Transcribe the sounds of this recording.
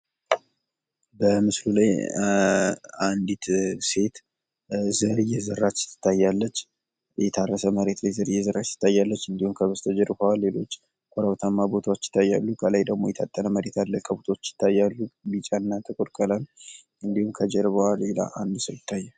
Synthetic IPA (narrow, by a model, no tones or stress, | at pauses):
bəmɨslulaj | and̪it̪se̞t̪ | zəɾjɛzɨɾːat͡ʃːt̪ɨ̥t̪ʰːajːalːət͡ʃː | jɛt̪ʰarːəsəməɾe̞t̪lajzəɾɨjɛzɨɾat͡ʃːɨt̪ʰːajːalːət͡ʃːɨnd̪ihumkʰəβəst̪ʰəd͡ʒɛɾhəwale̞lo̞t͡ʃː | kʰʼoɾəwt̪ʰamːabo̞t̪ʰawot͡ʃːjɪ̥t̪ʰːajːalːukʰʼəlajd̪əɡmo̞̰jɛt̪ʰat̪ʼːənəməɾe̞t̪ʰalːəlkʰəbot̪ʰaot͡ʃːjɪ̥t̪ʰːajːalːubit͡ʃʼanːat̪ʼɨkʼɨɾkʼələm | ɨnd̪ihumkʰəd͡ʒɛɾβəwalela̰ʔand̪səwjɪt̪ʰːajːal